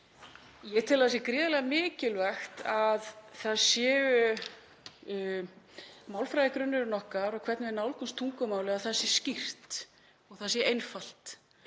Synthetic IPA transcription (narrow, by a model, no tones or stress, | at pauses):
jɛt̪ʰɪlaðs̬jɛkɾɪːðalɛɣamɪːcɪlvɛxt̪aðθaðsjɛːvʏ | maːwlfɾajðɪkɾʏnːʏɾʏnɔhkaɾɔɣkʰvɛt̪nvɪnawlkunst̪ʰuŋkʏmaːwlɪaðθaðsɛ̥scir̥t̪ | ɔɣθaðsjɛʔejnfal̥t̪